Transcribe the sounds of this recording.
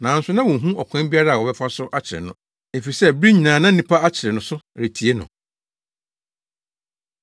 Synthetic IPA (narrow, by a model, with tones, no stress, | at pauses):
nãː˨n̩˦sʊ˦nã˦wɔ̃˨ɦũ˦ɔ˨kʷʰã˦m˦bi˦a˦ɾa˦˨wɔ˨bɛ˦fa˦sʊ˦ʔa˦t͡ɕʰɪ˨ɾɪ̰˨nʊ̃˦ | e˨fi˨i˨sɛ˦bɾi˦ɲĩ˨nãː˨nã˦nĩ˨˦pʰa˦a˦t͡ɕʰɪ˨ɾɪ˨nʊ̃˨˦sʊ˦ɾe˨tʰi˨e˦nʊ̰̃˨